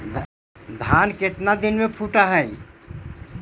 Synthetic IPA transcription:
d̪ʱanket̪nad̪inmepʰuʈaɦəj

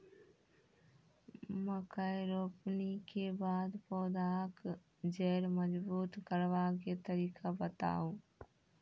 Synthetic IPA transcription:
məkəjɾoːpnikebaːd̪poːd̪aːk | d͡ʒeːɾməd͡ʒbuːt̪kəɾʋaket̪əɾiːkʰabət̪a̰ːũː

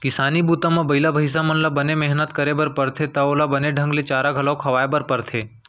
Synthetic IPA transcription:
kɪsaːnibuːt̪ãmãbɐɪlabʱɐɪs̬amɐnlabɐnemɛɦnət̪kɐɾebɐɾpɐɾt̪ʰet̪ɐoːlabɐneɖʱɐ̃ŋɡlet͡ʃaːɾaɡʱɐlakʰɐʋaːebəɾpɐɾt̪ʰeː

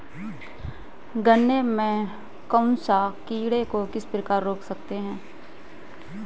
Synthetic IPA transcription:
ɡənːemẽ | kə̃ʊnsakiːɽekokɪspɾɪkaːɾːoːksəkt̪eɦɛ̃ː

